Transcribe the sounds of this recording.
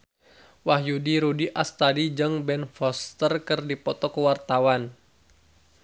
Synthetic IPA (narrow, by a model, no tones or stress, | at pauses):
wahjudiɾudiʔast̪adid͡ʒɨŋbɛnfɔst̪ərkɨrdipɔt̪ɔkəwart̪awan